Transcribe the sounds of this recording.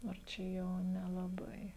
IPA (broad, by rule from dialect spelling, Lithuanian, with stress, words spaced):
ɐr ˈt͡ʃʲɛ ˈjɛʊ nʲɛlˠɐˈbɐɪ